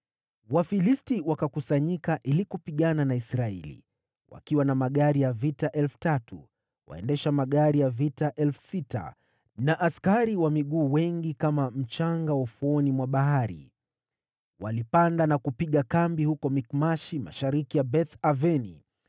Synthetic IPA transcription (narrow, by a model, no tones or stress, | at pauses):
wafilistiwakakusaɲikaʔilikupiɠananaisɾaɛlḭ | wa̰kiwanamaɠaɾijavitaʔɛlfu̥tatu | wʔa̰ɛ̰ndɛʃamaɠaɾijavitaʔɛlfu̥sita̰ | naʔaskaɾiwamiɠuːwɛŋɡikamam̩t͡ʃaŋɡawafuɔnimwaɓaɦaɾḭ | wa̰lipandanakupiɠakambihukɔmikmaʃima̰ʃaɾikijabɛθavɛnḭ